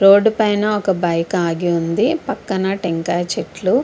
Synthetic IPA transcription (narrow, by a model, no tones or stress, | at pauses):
ɾo̞ːɖupɐjnɐɔkɐbɐjkaːɡiund̪ipɐkːɐnɐʈeŋkaːt͡ʃeʈlu